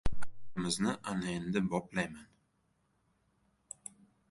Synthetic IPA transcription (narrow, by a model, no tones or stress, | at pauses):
mɪznɪʔanajɪnd̪ɪbɒplajman